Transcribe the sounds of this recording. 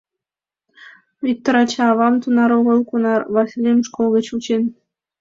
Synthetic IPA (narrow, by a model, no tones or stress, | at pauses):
vʲik̚t̪oɾɑt͡ɕɑɑβɑmt̪unɑɾoɣə̆lˠkunɑrβɑsʲilʲemʃkolˠɣĕt͡ɕut͡ɕen